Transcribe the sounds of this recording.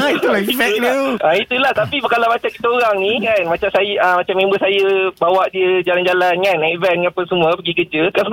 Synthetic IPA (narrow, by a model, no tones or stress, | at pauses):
it̪ulaivɛdait̪ulaht̪apipəkalamat͡ʃakit̪aoɾaŋnĩkanmãt͡ʃamsajaʔəmãt͡ʃamːẽmbəsajəbawaʔdiəd͡ʒaland͡ʒalankanːaivɛnŋãpəsəmũəpəɡikəd͡ʒəkasə